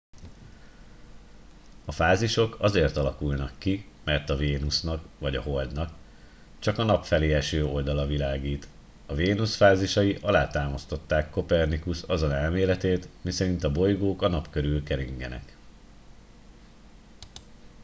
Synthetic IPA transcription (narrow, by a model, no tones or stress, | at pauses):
ɒfaːziʃo̞kɒzeːrt̪ɒlɒkulnɒkːi | mɛrt̪ɒveːnusnɒkʋɒɟɒɦo̞ld̪nɒk | t͡ʃɒkɒnɒpfɛleːɛʃøːo̞ld̪ɒlɒvilaːɡiːt̪ | ɒveːnusfaːziʃɒjiʔɒlaːt̪aːmɒst̪o̞t̪ːaːkːo̞pɛrnikusɒzonɛlmeːlɛt̪eːt̪misɛɾint̪ɒbo̞jɡoːkɒnɒpkøɾylkɛɾiŋɡɛ̰nɛ̰k